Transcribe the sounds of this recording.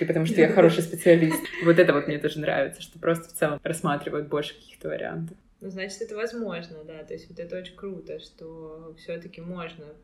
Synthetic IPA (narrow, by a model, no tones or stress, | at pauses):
ipət̪ɐmuʂt̪ojaxɐɾo̞ʂɨjspʲɪt̪sɨɐlʲist̪vo̞t̪ɛt̪əvo̞t̪mnʲet̪oʐɨnɾa̰vʲɪt̪səʂt̪opɾo̞st̪ə̥ft̪sɛlˠəmɾɐsːmat̪ɾʲɪvəjʊt̪̚bo̞lʲʂɨ̥kɐ̥kʲi̥xt̪əvə̰ɾʲɪ̰a̰nt̪əf | nuznat͡ɕɪ̥t̪ɛt̪əvɐzmo̞ʐnəd̪at̪o̞ɪsʲt̪ʲvot̪ɛt̪əo̞t͡ɕɪkɾut̪əʂt̪ofsʲot̪əkʲɪmo̞ʐnə